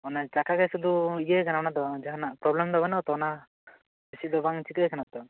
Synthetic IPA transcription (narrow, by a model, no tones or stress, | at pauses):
ɔnat͡ʃakakɛsɔd̪uijekʰanaɔnat̪ɔd͡ʒaɦanapɾɔblɛmd̪ɔbɛnɔt̪ɔɔna | besid̪ɔbaŋt͡ʃikekʰanat̪ɔ